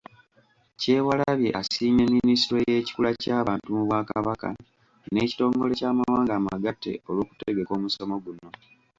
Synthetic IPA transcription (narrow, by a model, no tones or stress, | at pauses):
ce̞ːwalaβje̞ʔasiːɲeminisiɾwejeci̥kulacaːβaːntumuβwakaβaka̰ | ne̞ːci̥to̞ːŋɡo̞lecaːmawaːŋɡamaɡatːe̞̰o̞lwoːku̥teɡe̞ko̞ːmuso̞mo̞ɡuno̞